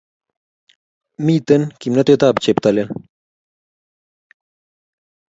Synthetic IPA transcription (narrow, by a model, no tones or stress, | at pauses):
miːt̪enkimnɐt̪et̪aːbt͡ɕep̚t̪ɐlen